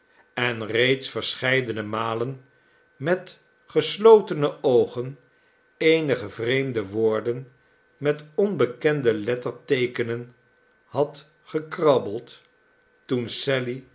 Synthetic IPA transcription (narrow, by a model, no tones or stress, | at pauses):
ɛnrejtsfəɹsχɛjdənəmaːlən | mɛt | χəslowtənəʔowχən | ejnəχəvrejmdəʋoːɹdən | mɛtɔnbəkɛndəlɛtəɹtejkənən | hɑt | χəkrɑbəlˠt | tunsɛli